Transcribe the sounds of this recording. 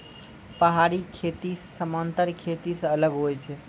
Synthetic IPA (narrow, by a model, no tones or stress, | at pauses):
pəɦaɾikʰet̪issəmənt̪əɾkʰet̪isəələɡɦojt͡ʃʰɛ